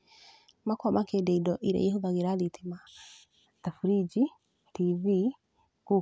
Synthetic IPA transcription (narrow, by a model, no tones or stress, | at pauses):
makwamakedɛidɔʔiɾɛ̰jɛhoðaɣeɾaɾitʰema | tafuɾid͡ʒi | tivi | ɡ̥u